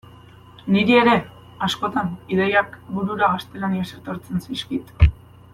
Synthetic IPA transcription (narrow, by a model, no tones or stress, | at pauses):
niɾie̞ɾe̞ | asko̞t̪aniðejakbuɾuɾaɣast̪e̞laniase̞t̪o̞ɾt͡se̞nsiskit̪